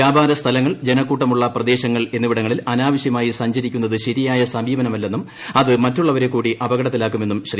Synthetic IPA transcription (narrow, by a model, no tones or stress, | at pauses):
jaːbʱaːɾɐst̪ʰɐlɐŋːɐɭd͡ʑe̞nɐkːuːʈːɐmuɭːɐprɐd̪e̞ːɕɐŋːɐɭe̞nːuʋiɽɐŋːɐɭilɐnaːʋɐɕjɐmaːjisɐɲd͡ʑɐɾikʲːunːɐðɨɕɐɾijaːjɐsɐmiːʋɐnɐmɐlːe̞nːum | ɐðɨmɐtːuɭːɐʋɐɾe̞kːuːɽiʔɐbɐɣɐɽɐt̪ːilaːkːume̞nːumɕɐri